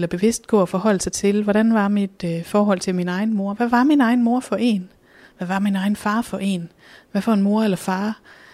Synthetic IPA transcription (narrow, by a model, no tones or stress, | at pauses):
lɐb̥e̝ʋe̝sd̥ɡ̥ɔ̰ɐfɒ̽hɒ̽l̰əsɑ̈ɪt͡sʰe̝lʋɒɾænʋɑ̈mid̥fɒːɦɒ̽l̰t͡sʰe̝lminɑ̈ɪn̩mo̝ɐʋæʋɑ̈minɑ̈ɪn̩mo̝ɐ̰fɒ̽ʔe̝n | ʋæʋɑ̈minɑ̈ɪn̩fɑ̈ːfɒ̽ʔe̝n | ʋæfɒe̝nmo̝ɐ̰elɐfɑ̈ː